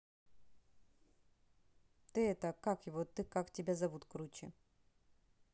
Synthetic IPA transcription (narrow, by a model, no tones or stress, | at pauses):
t̪ɨɛt̪əkakjɪvot̪ɨkaktʲɪbʲazɐvut̪kɾut͡ɕɪ̰